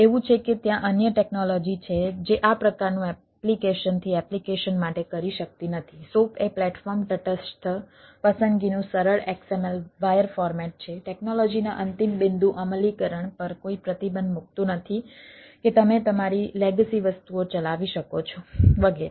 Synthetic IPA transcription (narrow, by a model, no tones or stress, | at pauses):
eʋũt͡ʃʰeket̪jãʔənjəʈeknɔlɔd͡ʒit͡ʃʰed͡ʒeʔapɾəkaɾnũɛ | plikeʃənt̪ʰiɛplikeʃənmaʈekəɾiʃək̚t̪inət̪ʰisopʰeplɛʈfɔɾmʈəʈəsʈʰ | pəsənd̪ɡinũsəɾəɭeksemɛlʋajəɾfɔɾmɛʈ̚t͡ʃʰeʈeknɔlɔd͡ʒinaʔənt̪imbɪnd̪ʱũʔəməlikəɾəɳpəɾkoipɾət̪ibə̃nd̪muk̚t̪ũnət̪ʰi | ket̪əmet̪əmaɾileɡəsiʋəst̪uot͡ʃəlaʋiʃəkot͡ʃʰoʋəɡeɾe